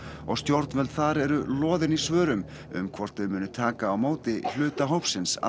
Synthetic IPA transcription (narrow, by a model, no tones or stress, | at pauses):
ɔɣst̪jowɾt̪nvɛlθaɾɛɾʏlɔːðɪnisvœːɾʏm | ʏ̰mkʰvɔɾ̥t̪vʏmʏːnʏt̪ʰaːkaːwmoːwt̪ɪl̥ʏːt̪aɦowpsɪnsa̰